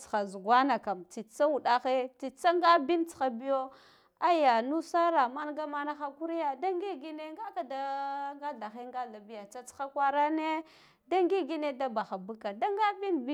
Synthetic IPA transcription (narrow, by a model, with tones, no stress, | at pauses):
t͡sxa˨zu˨ɡʷa˦na˨ka˨mt͡si˨t͡sa˦u˨ɗa˦xe˦t͡si˨t͡sa˦ŋɡa˦bi˦nt͡sxa˨bi˦jo˦ | a˦ja˨nu˦sa˦ɾa˨ma˦nɡa˦ma˦na˦xa˦ku˦ɾi˦ja˦da˦ŋɡi˦ɡi˦ne˦ŋɡa˦ka˨da˦ŋɡa˦ɮa˨xe˦ŋɡa˦ɮa˨bi˦ja˨t͡sa˦t͡sxa˦kʷa˦ɾa˦ne˦ | da˦ŋɡi˦ɡi˦ne˦da˦ba˨xa˨bu˦ka˨da˦ŋɡa˦bi˦nb